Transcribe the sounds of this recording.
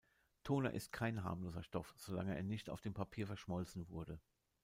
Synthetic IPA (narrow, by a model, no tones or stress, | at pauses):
tʰoːnɐ̰ʔɪ̰st̚kʰaɪnɦa̰ːmloːzɐʃtɔfz̥ola̰ŋəʔeːɐnɪçta̰ʊfd̥eːmpʰapʰiːɐfɛɐʃmɔlt͡sn̩vʊɐdə